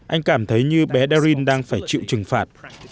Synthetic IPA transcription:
ʔa˧jŋ̟kaː˧˩mt̪ʰə˨˦jɲɨ˧ɓɛ˨˦ɗɛː˧zi˧nɗaː˧ŋfaː˧˩jt͡ɕḭ˧˨wt͡ɕɨ˨˩ŋfaː˨˩t̚

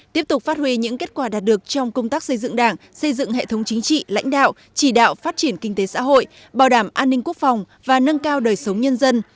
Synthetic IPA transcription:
t̪i˦˥əp̚t̪ʊ˨˩k͡p̚faː˦˥t̚hwi˧ɲɨ̰˧˥ŋke˦˥t̚kwaː˧˩ɗaː˨˩t̚ɗɨ˨˩ək̚t͡ɕɔ˧wŋ͡mkə˧wŋ͡mt̪aː˦˥k̚sə˧jzɨ̰˧˨ŋɗaː˧˩ŋ | sə˧jzɨ̰˧˨ŋɦḛ˧˨t̪ʰə˨˦wŋ͡mt͡ɕï˨˦ŋ̟t͡ɕḭ˧˨la̰˧˥jŋ̟ɗa̰ː˧˨w | t͡ɕi˧˩ɗa̰ː˧˨wfaː˦˥t̚t͡ɕi˧˩ənkï˧ŋ̟t̪e˨˦sa̰ː˧˥ɦo̰˧˨j | ɓaː˨˩wɗaː˧˩mʔaː˧nːï˧ŋ̟ku˦˥ək̚fɔ˨˩wŋ͡m | vaː˨˩nə˧nkaː˧wɗəː˨˩jsə˨˦wŋ͡mɲə˧nzə˧n

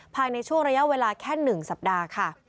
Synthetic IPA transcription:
pʰaː˧jna˧jt͡ɕʰu˥˩əŋɾa˧ja˦˥weː˧laː˧kʰɛː˥˩nɯ˨˩ŋsa˨˩p̚daː˧kʰa˥˩

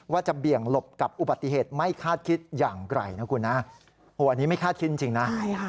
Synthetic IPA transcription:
waː˥˩t͡ɕa˨˩bi˨˩əŋlo˨˩p̚ka˨˩p̚ʔu˨˩ba˨˩t̪ːi˨ɦeː˨˩t̪̚ma˥˩jkʰaː˥˩t̪̚kʰi˦˥t̪̚jaː˨˩ŋɾa̰˧˩jna˦˥kʰu˧nːa˦˥ | hoː˨˩ʔa˧nːiː˦˥ma˥˩jkʰaː˥˩t̪̚ʰi˦˥t̪̚i˧˩t͡ɕi˧ŋna˦˥

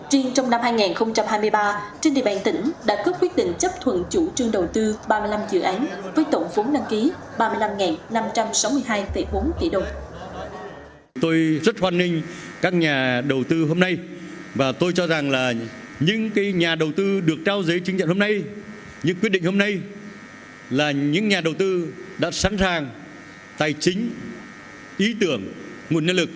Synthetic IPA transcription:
t͡ɕi˧əŋt͡ɕɔ˧wŋ͡mna˧mhaː˧jŋɛː˨˩nxə˧wŋ͡mt͡ɕa˧mhaː˧jmɨ˧əjɓaː˧t͡ɕe˧nɗḭ˧˨ə˩ɓa̰˧˩ŋt̪ï˧˩ŋ̟ɗa̰ː˧˥kə˦˥p̚kwi˦˥t̚ɗḭ˧˨ŋ̟t͡ɕə˦˥p̚t̪ʰwə̰˧˨nt͡ɕu˧˩t͡ɕɨ˧əŋɗə˨˩wt̪ɨ˧ɓaː˧mɨ˧əjla˧mzɨ̰˧˩˨ʔa˨˦jŋ̟vəː˨˦jt̪o̰˧˩ŋ͡mvo˨˦nɗa˧ŋki˨˦ | ɓaː˧mɨ˧əjla˧mŋɛː˨˩nna˧mt͡ɕa˧msa˨˦wmɨ˧əjɦaː˧jfə˧˩jɓo˨˦nt̪ḭ˧˩ɗə˨˩wŋ͡m | t̪o˧jzə˦˥t̚hwaː˧nːï˧ŋ̟ | kaː˦˥k̚ɲaː˨˩ɗə˨˩wt̪ɨ˧ɦo˧mna˧j | vaː˨˩t̪o˧jt͡ɕɔ˧za˨˩ŋlaː˨˩ | ɲɨ̰˧˥ŋkaː˨˦jɲaː˨˩ɗə˨˩wt̪ɨ˧ɗɨ˨˩ək̚t͡ɕaː˧wzəː˨˦jt͡ɕɨ˨˦ŋt͡ɕa̰˧˨nho˧mna˧j | ɲɨ̰˧˥ŋkwt̚ɗï˧˨ŋho˧mna˧j | laː˨˩ɲɨ̰˧˥ŋɲaː˨˩ɗə˨˩wt̪ɨ˧ɗa̰ː˧˥saː˨˦nsaː˨˩ŋ | t̪aː˨˩jt͡ɕï˨˦ŋ̟ | ʔi˨˦t̪ɨ˧˩əŋː | u˨˩nɲə˧nlɨ˨˩k̚

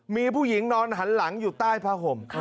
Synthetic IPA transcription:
miː˧pʰuː˥˩ji˩˦ŋnɔː˧nɦa˩˦nla˩˦ŋjuː˨˩t̪aː˥˩jpʰaː˧ɦo˨˩m

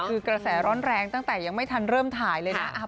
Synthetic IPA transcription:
kʰɯː˧kɾa˧sɛː˩˦ɾɔː˦˥nɾɛː˧ŋt̪a˥˩ŋt̪ɛː˨˩ja˧ŋma˥˩jt̪ʰa˧nɾɤː˥˩mt̪ʰaː˨˩˦jlɤː˧jna˦˥

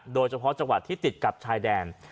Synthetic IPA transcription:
doː˧jt͡ɕʰa˧pʰɔ˦˥t͡ɕa˧ŋwa˨˩t̪ʰːiː˥˩t̪i˨˩t̪̚ka˨˩p̚t͡ɕʰaː˧jdɛː˧n

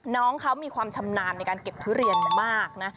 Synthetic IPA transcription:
nɔː˦˥ŋkʰa˦˥wmiː˧kʰwaː˧mt͡ɕʰa˧mnaː˧nːa˧jkaː˧nke˨˩p̚t̪ʰɯː˦˥ɾi˧ən˨˩maː˥˩k̚na˦˥

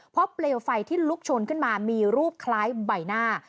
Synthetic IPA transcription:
pʰɾɔ˦˥pleː˧wfa˧jt̪ʰiː˥˩lu˦˥k̚t͡ɕʰo˧nkʰɯ˥˩nmaː˧miː˧ɾuː˥˩p̚kʰlaː˦˥jba˧jnaː˥˩

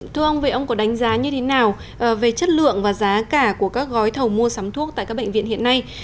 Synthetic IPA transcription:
t̪ʰɨ˧əʔə˧wŋ͡mvi˨˩ʔə˧wŋ͡mkɔ˨˦ɗa˨˦ŋ̟zaː˨˦ɲɨ˧t̪ʰe˨˦naː˨˩w | ʔə˨˩ve˨˩t͡ɕə˦˥t̚lɨ̰˧˨əŋvaː˨˩zaː˨˦kaː˧˩ku˧˩əkaː˦˥k̚ɣɔ˨˦jt̪ʰə˨˩wmu˧əsaː˨˦mt̪ʰu˦˥ək̚t̪a̰ː˧˨jkːaː˦˥ɓə̰˧˨ŋ̟vḭ˧˨ənhḭ˧˨əna˧j

